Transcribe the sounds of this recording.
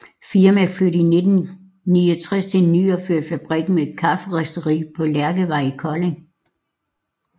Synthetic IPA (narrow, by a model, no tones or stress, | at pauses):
fiɐmæfløɾəined̥n̩ | niːɒt͡sʰʁɛst͡sʰe̝nyːɐføɐ̰d̥fæb̥ʁiɡ̥n̩mee̝d̥kʰɑ̈fəʁɛsd̥əʁḭːpʰɒ̽læɐɡ̥əʋɑ̈ɪ̰kʰɒ̽leŋ